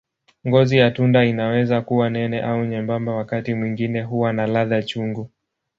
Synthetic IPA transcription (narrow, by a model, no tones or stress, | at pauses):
ŋɡɔzijatundainawɛzakuwanɛnɛʔauɲɛmbambawakatimwiŋɡinɛɦuwanalaðat͡ʃuŋɡu